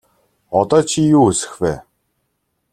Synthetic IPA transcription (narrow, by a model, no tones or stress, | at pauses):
ɔt̪ɔːt͡ɕʰijuːɵsɘ̥̆xwæː